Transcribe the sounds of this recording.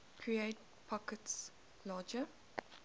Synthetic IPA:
kʰɹieɪt̚ | pʰɔkəts | lɑːd͡ʒə

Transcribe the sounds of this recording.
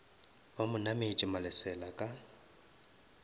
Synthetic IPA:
bamʊnamet͡ʃʼɪmalɛsɛlakʼa

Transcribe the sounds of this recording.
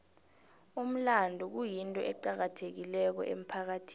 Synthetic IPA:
um̩landʱuk̬ujintʼɔʔɛǃak̬atʰek̬ilɛk̬ɔ̰ʔem̩pʰak̬atʰi̥

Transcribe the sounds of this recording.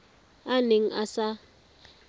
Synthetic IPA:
aneŋ̩ʔasa

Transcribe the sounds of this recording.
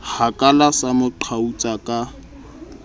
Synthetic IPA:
hakʼalasamʊǃʰaut͡sʼakʼa

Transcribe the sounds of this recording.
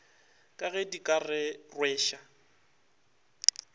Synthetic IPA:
kʼaɣɛdikʼarɪrwɛːʃa

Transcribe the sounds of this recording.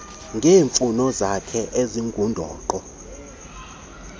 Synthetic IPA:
ŋɡʱeːɱfunɔzakʰɛʔeziŋɡʱundʱɔ̰ːǃɔ

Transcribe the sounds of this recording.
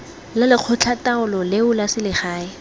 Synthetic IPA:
lɪlɪq͡χʰʊt͡ɬʰataʊlɔlɪʊlasɪlɪχaːɪ

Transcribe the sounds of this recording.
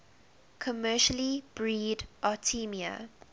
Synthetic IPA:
kʰɔmɜʃəlib̥ɹiːdʔatʰimiə̰

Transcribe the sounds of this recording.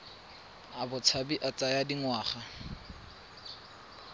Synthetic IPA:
abʊt͡sʰabiʔat͡sajadiŋwaːχa

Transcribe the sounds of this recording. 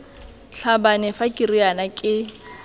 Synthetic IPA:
ɬabanɛfakʼirianakʼɪ

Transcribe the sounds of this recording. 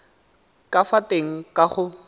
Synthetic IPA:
kʼafateŋ̩kʼaχʊ

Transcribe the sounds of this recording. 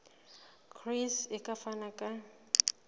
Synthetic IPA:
kʰrisɛkʼafanakʼa

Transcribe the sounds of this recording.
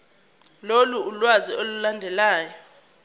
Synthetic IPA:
loluːlwaziolulandʱɛlaːjɔ

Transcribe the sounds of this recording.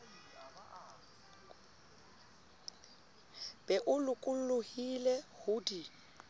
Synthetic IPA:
b̥ɛʔʊlʊkʼʊl̩lʊhilɛhʊdi

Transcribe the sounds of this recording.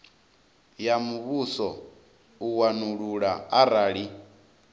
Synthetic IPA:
jamuβusɔ | uwanuɺuɺaaɾaːɺi

